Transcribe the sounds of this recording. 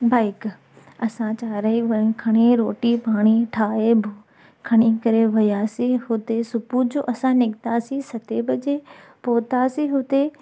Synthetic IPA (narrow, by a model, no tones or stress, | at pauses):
baːɪk | ɐsãt͡ɕaːɾəiʋɐ̃kʰɐɽ̃iɾoːʈipaːɽ̃iʈʰaːebʱu | kʰɐɽ̃ikɐɾeʋɐjaːsiɦʊt̪esʊpud͡ʑoːʔɐsãnɪɡt̪aːsisɐt̪eːbəd͡ʑeː | poːt̪aːsiɦʊt̪e